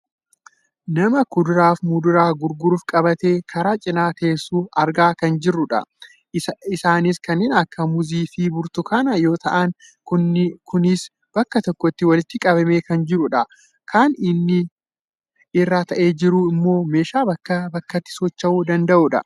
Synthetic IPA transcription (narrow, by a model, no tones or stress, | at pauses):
nɐmɐkʊd̪ʊɾaːfmʊd̪ʊɾaːɡʊɾɡʊɾʊfkʼɐbɐt̪eːkʰɐɾaːt͡ʃʼɪnaːk̪eːsːuːʔɐɾɡaːkɐnd͡ʒɪrːʊᶑɐ̰ | ɪsaːnɪskɐnːɪnɐkːɐmʊziːfɪbʊɾt̪ʊkʰɐnɐjo̞ːt̪ɐʔɐn | kʊnkʊnɪs | b̥ɐkːɐt̪ɔkːɔt̪ːɪwɐlɪt̪ːɪkʼɐβɐme̞ːkɐnd͡ʒɪɾʊᶑɐ | kʰaːnɪnːɪ | ɪrːaːt̪ɐʔe̞ːd͡ʒɪɾuɪmːo̞ːme̞ːʃaːbɐkːɐbɐkːɐt̪ːɪ̥sɔt͡ʃːɐʔuːd̪ɐnd̪ɐʔʊᶑɐ̰